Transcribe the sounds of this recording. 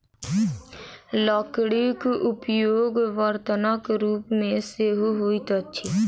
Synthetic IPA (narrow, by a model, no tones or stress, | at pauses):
lɔːkɽikʊpjoːɡʋəɾt̪ənəkɾuːpmẽseːɦoɦoːit̪oətːʃʰiː